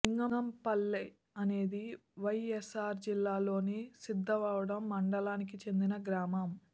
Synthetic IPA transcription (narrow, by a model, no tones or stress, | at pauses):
iŋɡɐŋɐmpɐlːe | ɐne̞ːd̪iʋɐjesaːɾd͡ʒilːaːlo̞ːnisid̪ʱːɐʋaːʋɐɽɐmːɐɳɖɐlaːnik̬it͡ʃe̞nd̪inɐɡɾaːmɐm